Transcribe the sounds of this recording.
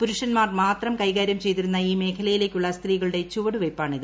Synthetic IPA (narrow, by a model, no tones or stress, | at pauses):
puɾuʂɐnmaːrmaːt̪rɐmkɐjɣaːɾjɐmt͡ɕe̞jt̪iɾunːɐiːme̞ːkʰɐlɐjile̞ːkʲːuɭːɐst̪riːɣɐɭɽe̞t͡ɕuʋɐɽuʋejpːaːɳiðɨ